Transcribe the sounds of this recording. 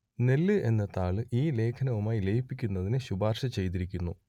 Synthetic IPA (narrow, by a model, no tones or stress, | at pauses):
ne̞lːɨʔe̞nːɐt̪ːaːɭɨʔiːle̞ːkʰɐnɐʋumaːjilejipːikʲːunːɐðinɨɕubaːrʂɐt͡ɕe̞jt̪̬iɾikʲːunːu